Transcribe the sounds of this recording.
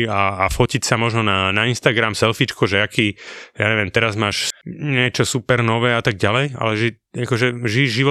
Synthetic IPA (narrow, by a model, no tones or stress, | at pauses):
aːfɔcicsamɔʒnɔnanainst̪aɡɾamsɛlfit͡ʃkɔʒɛakʰiːja̰ːɲɛʋɪɛmt̪ɛɾazmaːʃɲɪɛt͡ʃɔsupɛɾnɔʋɛːat̪aɡɟalɛja̰lɛʒɛ | akɔʒɛʒiʒiʋɔ